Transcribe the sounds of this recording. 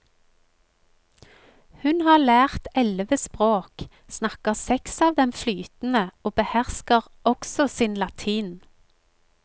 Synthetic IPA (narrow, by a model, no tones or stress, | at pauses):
hʉnhɑːlæːʁt̪ɛlʋəspʁoːk | snɑkəʁsɛksɑːʋd̪ɛmflyːt̪n̩əoːbəhæʁskəʁ | ɔksɔsiːnlɑt̪ʰiːn